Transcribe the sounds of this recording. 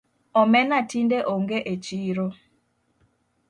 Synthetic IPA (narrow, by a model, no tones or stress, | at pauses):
ɔmɛnatindeʔoŋɡeʔet͡ʃiɾo